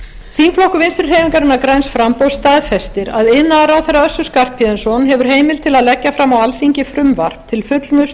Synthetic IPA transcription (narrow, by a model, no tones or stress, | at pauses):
θiŋkflowhkʏvɪnst̪ɾʏɾ̥heːjmɪŋkaɾɪnakɾajnsfɾampowst̪aːðfɛst̪ɪɾaðɪnːaɾawθɛrːaœsːʏskar̥pʰɛnsɔnɦɛvʏɾ̥ɦeːjmɪlt̪ʰɪlaðlɛcːafɾamawalθiɲcɪfɾʏmvaɾ̥pt̪ʰɪlfʏt̪lnʏs